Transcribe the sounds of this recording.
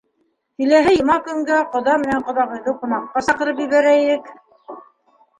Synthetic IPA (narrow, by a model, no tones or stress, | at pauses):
k̪ĭlæɦɘjɤ̆mɑkɵ̆ŋɡæqŏðɑmɘ̆næɴqŏðɑʁɤ̆jd̪okumɑɴt̪̚qɑsɑqɤ̆ɾɤpjɵ̆βæɾæinɘk